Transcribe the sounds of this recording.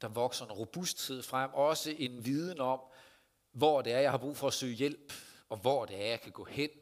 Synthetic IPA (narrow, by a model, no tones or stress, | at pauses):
d̥ɑ̈ʋɒ̽ɡ̥sɐenʁo̝b̥usd̥t͡sʰið̰ˠfʁam̰ɒ̽səʔe̝nʋið̞ˠn̩ɒ̽m̰ | ʋɒːd̥e̝æɐjɑ̈ɪhɑ̈b̥ʁṵːfɒ̽æsø̰ːjel̰b̥ɒ̽ʋɒd̥e̝æɐjɑ̈ɪkʰæɡ̥ɔ̰ːhen̰